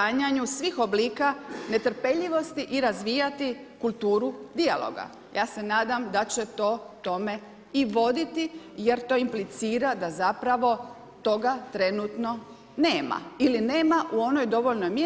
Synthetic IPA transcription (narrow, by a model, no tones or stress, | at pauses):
aɲaɲusʋiːxo̞bliːkane̞t̪r̩pe̞ʎiʋo̞st̪iʔiɾazʋiːjat̪ikulˠt̪uːɾud̪ialˠo̰ɡa̰ | jʔaːse̞naːd̪amd̪at͡ɕet̪o̞ːt̪o̞me̞ | iʋo̞d̪it̪ije̞ɾt̪o̞ːimplit̪siːɾad̪azapɾaʋo̞ | t̪o̞ɡat̪ɾe̞nuːt̪no̞ | neːma̰iline̞ːmaʔuo̞nojd̪o̞ʋo̞ʎnojmje